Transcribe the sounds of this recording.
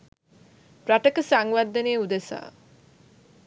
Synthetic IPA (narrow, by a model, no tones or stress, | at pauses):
pɾaʈəkəsaŋʋad̪ːəneːud̪esa̰ː